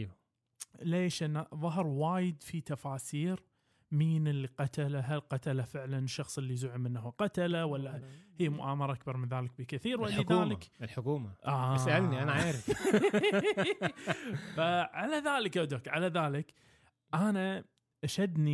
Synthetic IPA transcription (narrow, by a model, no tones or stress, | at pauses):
leːʃʔɪnːaðˤɑɦɾˤwaːjɪd̪fit̪afaːsiːɾ | miːnɪlːiqɑt̪alaɦalqɑt̪alafɪʕlanɪʃːɑxsˤɪlːizʊʕɪmɪnːahaqat̪alawalːahɪjːamʊʔaːmɑɾˤɑʔakbɑɾˤmɪnðaːlɪk̚bɪkɪθiːɾwalːkaaːlɪklħʊkuːmaʔasaalniʔanaʕaːɾɪf | faʕalaðaːlɪkʔʊd̪akʕalaðaːlɪk | ʔana | ʔaʃad̪ni